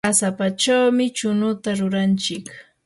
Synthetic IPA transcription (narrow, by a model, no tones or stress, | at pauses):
asapat͡ʃawmɪt͡ʃʊnʊt̪aɾʊɾant͡ʃɪk